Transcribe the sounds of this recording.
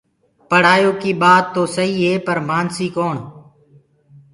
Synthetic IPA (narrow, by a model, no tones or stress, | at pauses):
pəɽ̤aːjoːkiːɓaːt̪̚ːoːsəɦiːɦeːpəɾmaːnsiːkoːɳ